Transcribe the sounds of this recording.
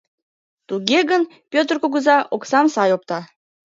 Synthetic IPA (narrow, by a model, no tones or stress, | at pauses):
t̪uɣeɣən | pʲøt̪ərkuɣəzɑʔoksɑmsɑjop̚t̪ɑ